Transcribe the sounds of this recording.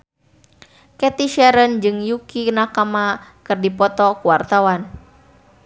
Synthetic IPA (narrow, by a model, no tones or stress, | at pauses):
kɛt̪iʃɛɾənd͡ʒɨŋjukinakamakɨrdipɔt̪ɔkuwart̪awan